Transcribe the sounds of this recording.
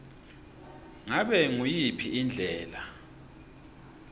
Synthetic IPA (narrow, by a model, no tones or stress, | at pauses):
ŋaɓɛŋujipʰiʔind͡ɮʱɛːla